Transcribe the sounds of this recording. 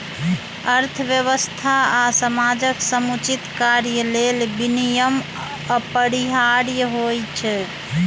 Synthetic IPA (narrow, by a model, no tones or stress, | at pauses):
əɾt̪ʰəʋjəβəst̪ʰaasəmad͡ʒəksəmut͡ʃit̪kaɾjəlelbinijəm | əpəɾiɦaɾjəɦojt͡ʃʰ